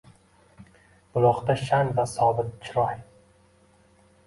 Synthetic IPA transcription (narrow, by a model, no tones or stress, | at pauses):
b̥ʊlˠɒqt̪aʃanvasɒbɪt̪̚t͡ʃʰɪɾɒjj